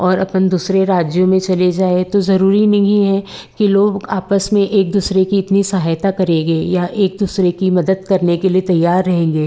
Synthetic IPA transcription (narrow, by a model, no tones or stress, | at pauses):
ɔːɾɐpnd̪uːsɾeɾaːd͡ʒjõmẽt͡ʃɐled͡ʒaːet̪ozɐɾuːɾinɐɦĩɦɛkiloːɡaːpəsmẽʔeːk̚d̪uːsɾekiɪt̪nisɐɦaːjt̪akɐɾẽːɡeːjaʔeːk̚d̪uːsɾekimɐd̪əd̪̚kɐɾnekeliet̪ɐjːaːɾːɐɦẽːŋɡeː